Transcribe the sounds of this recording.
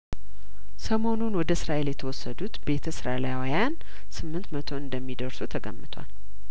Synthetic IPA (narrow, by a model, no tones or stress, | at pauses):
səmo̞nunwɔd̪əsɨɾaʔe̞ljɛt̪ʰəwɔsːəd̪ut̪be̞t̪ʰəsɨɾalajwjan | sɨmːɨnt̪mət̪ʰo̞ɨnd̪əmːid̪əɾsut̪ʰəɡə̰mːɨt̪ʰwa̰l